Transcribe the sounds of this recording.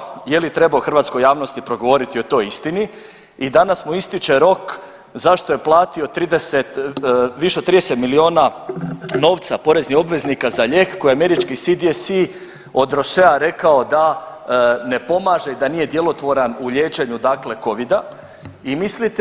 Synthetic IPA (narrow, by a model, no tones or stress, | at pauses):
jelit̪ɾe̞baoxr̩ʋat̪sko̞jaːʋnost̪ipɾo̞ɡo̞ʋo̞ɾit̪io̞t̪o̞jist̪ini | id̪anasmuist̪it͡ʃe̞ɾo̞k | zaʃt̪oje̞plˠaːt̪io̞t̪ɾid̪eset̪ʋiʃeoɾid̪ese̞t̪milio̞ːna | no̞ːʋt̪sapo̞ɾe̞znixo̞bʋe̞znikazaʎe̞ːkːo̞jeame̞ɾit͡ʃkisid̪iesi | o̞d̪ɾo̞ʃeaɾe̞kao̞d̪a | ne̞po̞maːʒe̞id̪anije̞d̪je̞lo̞t̪ʋo̞ɾanuʎe̞ːt͡ʃe̞ɲud̪akle̞ko̞ʋid̪a | imislit̪